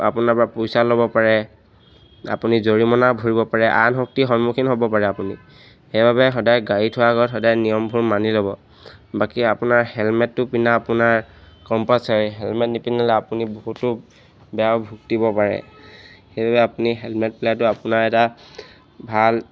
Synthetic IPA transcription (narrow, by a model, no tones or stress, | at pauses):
a̰punapɹapojsalobɔpaɹɛ | a̰punizoɹimɔnabʱoɹibɔpaɹɛʔa̰nɦɔk̚tixɔnmukʰinɦobɔpaɹɛapuni | xejbabɛxɔdajɡaɹitʰʊwaɡɔtxɔdajnijɔmbʱuɹmanilɔbɔ | bakiapʊnaɹhɛlmɛtːʊpinaːpʊnaɹkɔmpasaɹiɦɛlmɛtnipinalɛapuniboɦutːʊ | bɛjabʱuktibɔpaɹɛ̰xejbabɛapuniɦɛlmɛt̚plat̬ʊapʊnaɹɛta | bʱal